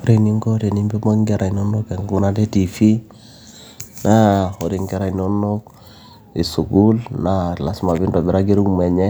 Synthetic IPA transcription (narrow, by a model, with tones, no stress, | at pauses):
o˦ɾe˨ni˦ŋɡo˦ɾe˨ni˦mbe˦mo˦ŋɡe˦ɾa˨i˨no˦no˦ke˨ŋɡu˦na˦de˦ti˨fi˦ | na˦o˨ɾi˨ŋɡɛ˦ɾa˨i˨no˦no˦k | e˨su˨ɡu˦lna˦˨la˦sma˨bi˦ndo˨bi˨ɾa˦ɡi˦ɾu˦kme˨ɲɛ˦